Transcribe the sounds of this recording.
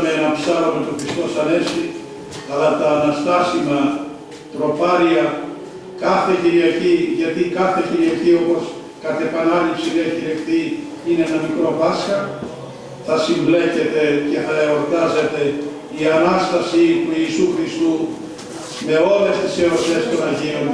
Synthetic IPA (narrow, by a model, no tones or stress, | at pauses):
menɐpsaɾomet̪oxɾist̪o̞sɐnesi | ɐlat̪ɐːnɐst̪asimɐ | t̪ɾo̞paɾiɐ | kaθeçiɾiaçiʝɐt̪ikaθeciɾiaçiopos | kɐt̪epanalipsiðiɐciɾiɐkt̪i | ineenɐmikɾopasxɐ | θɐsiɱblecet̪ece̞θɐeoɾt̪azet̪e̞ | iɐnast̪ɐsip̪uiːsuxɾist̪u | me̞o̞le̞st̪iseosest̪onɐʝion